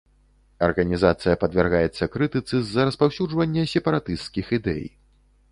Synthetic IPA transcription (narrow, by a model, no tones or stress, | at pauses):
ɐ̰rɣɐnʲizat̪sɨjɐpɐd̪vʲɛrɣajɛt̪sːɐkɾɨt̪ɨt̪sɨzːɐɾɐspawsʲud͡ʐvɐnʲːɛsʲɛpɐɾat̪ɨst̪kʲixid̪ɛ̰j